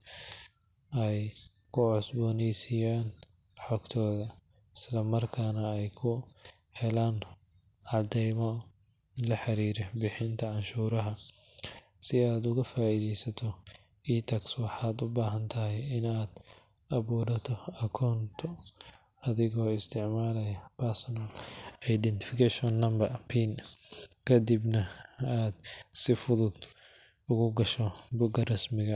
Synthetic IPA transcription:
ɛjkʰʊʕʊsbɔːnɛjsɪjaːn | ħɔɡt̪ʰɔːðɐ | ɪslɐmɐrkʰaːnɐɛjkʰʊ | hɛlaːn | ʕɑd̪ɛjmɔ | ɪnlɐħɑɾiːɾɛbɪħɪnt̪ʰɐʕɑnʃuːɾɐɦɐ | sɪaːd̪ʊɣɐfaːiːðɛjsɐt̪ʰɔ | iːt̪ʰɐkswɑħaːd̪ʊbaːɦɐnt̪ʰɐɦɛjɪnaːd̪̥ | ɐβɔːɖɐt̪ʰɔɐkʰɔːnt̪ʰɔ | ɐðɪɣɔːɪst̪ʰɪʕmaːlɐjɐpʰɐɾsɔnɐlɛjd̪ɛnt̪ɪ̥fɪkʰɛʃɔnːɐmbɐrpʰiːnkʰɐd̪ibnɐaːd̪sɪfʊðʊd̪̚ | ʊɣʊɡɐʃɔbʊɡɐrɐsmɪɣɐ

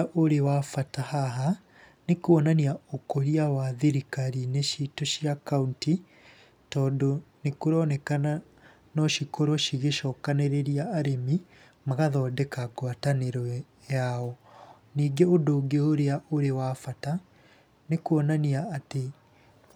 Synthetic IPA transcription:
aʔoɾewafatahaɦa | nekuɔnaniaokoɾiawaðeɾikaɾineʃitoʃiakaunti | tɔːdɔnekoɾɔnɛkana | nɔʃikɔɾɔʃiɣeʃɔːkaneɾeɾiaːɾemi | maɣaðɔdɛkaɡwataneɾɔ | jaɔ | niːɡeodoːɡeoɾeaʔoɾewafata | nekuɔnaniaːte

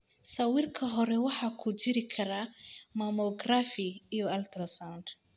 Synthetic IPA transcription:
sɐwɪrkʰɐɦɔɾɛwɑħɑːkʰʊt͡ʃɪɾɪkʰɐɾamɐmɔɡrafɪijɔɐlt̪ʰrɐsand̪

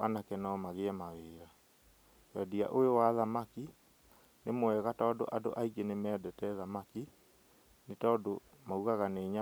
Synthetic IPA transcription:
anakɛnɔmaɣeɛmaweːɾa | wɛdia̰ʔoowaðamaki | nemoɛɣatɔːdo̰ʔado̰ʔaiɡenemɛːdɛtɛðamaki | netɔːdo | mauɣaɣaneːɲa

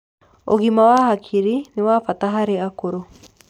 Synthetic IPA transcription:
o̰ɣimawaɦakʰiɾinewaːfataɦaɾeakoɾo

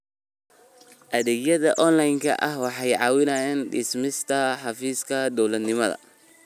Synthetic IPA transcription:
ʔɐðɛːɡjɐðɐʔɔnlɐjŋkʰɐ̰ʔɐhwɑħɑjʕɑːwɪnaːjɛːnɖɪsmɪst̪ʰɐħɑfiːskʰɐd̪ɔwlɐd̪nɪmɐðɐ̰

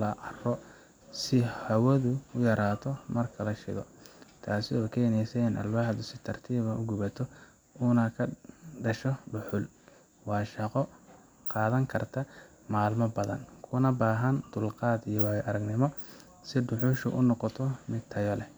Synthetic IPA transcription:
lɐʔɐrɔ | sɪhɐwɐðʊʊjɐɾaːt̪ʰɔmɐrkʰɐlɐʃɪ̰ɣɔ̰t̪ʰaːsɪɔːkʰɛːnɛjsɛɪnʔɐ̰lbaħd̪ʊsɪt̪ʰɐrt̪ʰiːβɐʔʊɡʊβɐt̪ʰɔ | ʊːnɐkʰɐɖɐʃɔɖʊħʊl | wɑːʃɐqɔ | qɑːðɐŋkʰɐrt̪ʰɐ | maːlmɐbɐðɐ̰nkʰʊnɐbaːɦɐnd̪ʊlqɑːd̪ijɔwaːjʔɐɾɐɡnɪmɔ | sɪɖʊħʊʃʊ̰ʔʊnɔqɔt̪ʰɔmɪd̪t̪ʰɐjɔlɛ

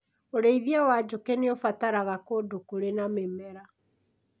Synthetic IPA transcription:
oɾeiðiawad͡ʑokeneofataɾaɣakodokuɾenamemɛɾa

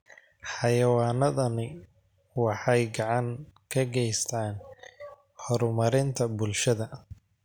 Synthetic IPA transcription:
ħɑjɐwaːnɐðɐnɪ | wɑħɑjɡɑʕɑŋkʰɐɡɛjst̪ʰaːn | hɔɾʊmɐɾɪnt̪ʰɐbʊlʃɐðɐ

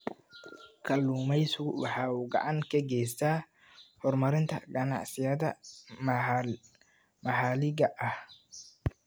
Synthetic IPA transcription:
kʰɐlːuːmɛjsʊwɑħɑːuːɡɑ̰ʕɑŋkʰɐɡɛjs̬t̪ʰaː | hɔrmɐɾɪnt̪ʰɐ̰ɡɐnɑ̰ʕsɪjɐðɐ | mɐħɑːlɪɣɐʔɐh

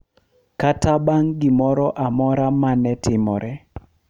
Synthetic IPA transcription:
katabaŋɡɪmɔɾɔʔamɔɾamanɛtɪmɔ̰ɾɛ

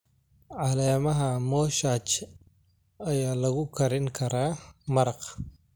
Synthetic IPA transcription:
ʕɑlɛːmɐɦɐmɔːʃaːt͡ʃ | ɐjaːlɐɣʊkʰɐɾɪŋkʰɐɾaːmɐɾɑq

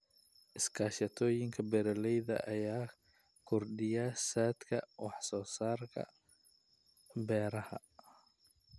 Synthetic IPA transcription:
ʔɪskʰaːʃɐt̪ʰɔːjɪŋkʰɐbɛɾɐlɛjðɐ̰ʔɐjaː | kʰʊrɖɪjaːsaːd̪kʰɐwɑħsɔːsaːrkʰɐ̰ | bɛːɾɐhɐ

